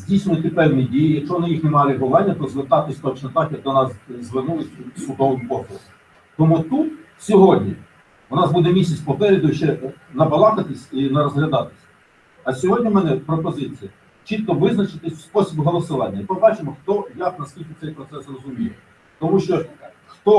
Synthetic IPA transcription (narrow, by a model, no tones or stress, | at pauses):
zʲdʲijsnʊjt̪ɪpɛwnʲidʲijijɐkʃɔʋɔnɪjixnemɑlʲˠɪɦɔlɑnʲːɐt̪ɔzʋert̪ɑt̪ɪsʲt̪ɔt͡ʃnɔt̪ɑxjɐk̚d̪ɔnɑszʋɪrnulˠɪsʲsʊd̪ɔʋɪmpɔsˠɔɾ | t̪ɔmut̪ut̪ | sʲɔɦɔdʲnʲi | ʋʊnɑsbud̪ɛmʲisʲɐt͡sʲpɔpɛɾʲɪd̪ʊʃt͡ʃɛnɐbɐlˠɑk̪ɐt̪ɪsʲinɐɾɔzɦlʲɐd̪ɑt̪ɪ̥sʲ | ɐsʲɔɦɔdʲnʲimɛnɛpɾɔpɔzɪt͡sʲijɐ | t͡ʃit̪̚kɔʋɪznɐt͡ʃɪt̪ɪspɔsʲibʊɦɔlˠɔsʊʋɑnʲːɐipɔbɑt͡ʃɪmɔxt̪ɔjanɐskʲilʲkɪt̪sɛjpɾɔt̪sɛsrɔzʊmʲijɛ | t̪ɔmuʃt͡ʃɔʃt̪ɐ̥kɛ | xt̪ɔ